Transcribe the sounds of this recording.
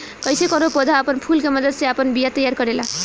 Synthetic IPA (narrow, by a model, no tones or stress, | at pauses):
kʌjsekʌnopod̪ʱaːpʌnpʰulkemʌd̪ʌd̪seapʌnbijat̪ʌjarkʌɾela